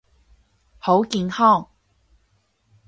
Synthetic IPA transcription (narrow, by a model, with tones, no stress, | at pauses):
ho˨˥wkiː˧nhɔː˥˩˨ŋ